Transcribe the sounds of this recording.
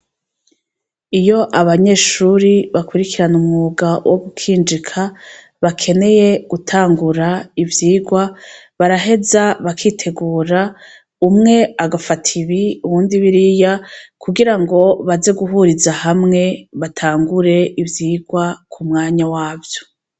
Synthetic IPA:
ijo̞ʔaβaɲe̞ːʃuɾiβakwiɾikiɾanumŋuːɡawʔoɡukʰiːnd͡ʒikʰa | βakʰe̞ne̞je̞ɡ̥utʰaːŋɡuɾaivjiːɡwa | βaɾaɦe̞zaβakʰiːtʰe̞ɡuːɾa | umŋe̞aɡafatʰiβiuβuːndiβiɾijakʰuɡiɾaŋɡo̞βaze̞ɡuɦuɾizahamŋe̞βatʰaːŋɡuɾe̞ʔivjiːɡwakʰumŋaːɲawaːvjo̞̥

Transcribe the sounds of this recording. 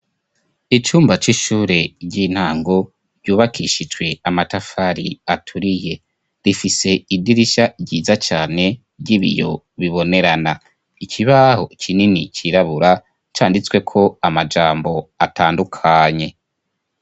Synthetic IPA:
it͡ʃuːmbat͡ʃiʃuːɾe̞ɟin̥haːŋɡo | ɾɟ̥uːβakʰiʃid͡ʒwe̞amatafaɾiatʰuɾije̞ | ɾifise̞idiɾiʃaɟɟiːzat͡ʃaːne̞ | ɟiβḭjo̞ | βiβo̞ne̞ɾana | icʰiβahot͡ʃʰininit͡ʃiɾaβuɾa | t͡ʃaːndit͡swe̞kʰo̞amad͡ʒaːmbo̞atʰaːndukʰaɲe̞

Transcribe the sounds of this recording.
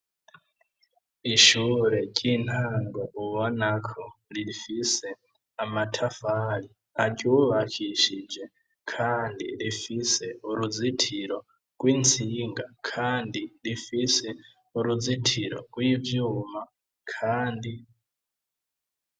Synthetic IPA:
iʃuɾɛt͡ʃʼintʰaŋɡɔʔuβɔnakʰɔɺifisɛ | amatʰafaɺi | acʼiuβakʰiʃid͡ʒɛ | kʰandḭɺifisɛuɾud͡zitʰiɾɔ | kʼwint͡sʰiŋɡakʰandilifisɛ | uɾud͡zitʰiɾɔ̰kʼwivjuma | kʰaːndi

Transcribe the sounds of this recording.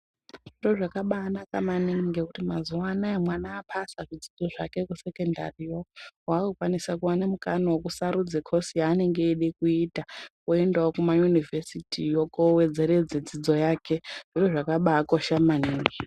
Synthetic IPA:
ʐiro̞ʐakaɓaːnakamaniŋŋɡekutimazuwaːnaemwanaːpʰasaʐid͡zid͡zo̞ʐake̞kuse̞kenda̰rijowakukwanisakuwanemukanawokusaɾud͡zekʰosiaːne̞ŋɡeːɗekuitakoendaokumajunivʱesitʰijokowed͡ze̞ɾe̞d͡zed͡zid͡zo̞jaːke̞ʐ̥iro̞ʐakaɓaːkoʃamaniːŋɡe

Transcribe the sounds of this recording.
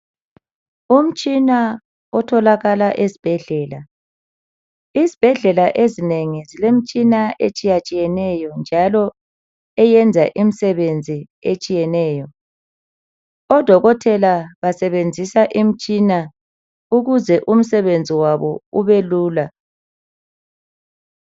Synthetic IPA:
um̩t͡ʃʼina | ɔtʰɔlaɣalaʔesib̥ʱɛɮɛːla | izib̥ʱɛɮɛlaʔezineŋizilem̩t͡ʃʼinaʔet͡ʃʼijat͡ʃʼijɛnɛjɔnd͡ʒʱalɔ | ɛjɛnd͡zʱaʔim̩sɛβend͡zʱi | et͡ʃʼijɛnɛːjɔ | ɔd̥ʱɔɣɔtʰɛlaβasɛβend͡zʱisaʔim̩t͡ʃʼina | uɣuzɛʔum̩sɛβend͡zʱiwaβɔuβeluːla

